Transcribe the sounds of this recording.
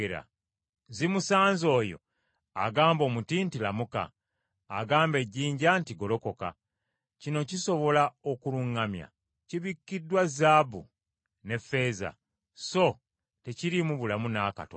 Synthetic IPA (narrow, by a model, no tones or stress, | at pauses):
eɾa̰ | zimusaːnzo̞ːjo̞̰ | a̰ɡaːmbo̞ːmutiːntilamuka̰ː | ɡaːmbe̞ɟiːɲɟantiɡo̞lo̞ko̞ka̰ | cino̞ciso̞βo̞laokuluŋːamja̰ | ciβikːidwazabṵ | ne̞fe̞ːza̰ | so̞ | te̞ciɾimuβulamunaka̰to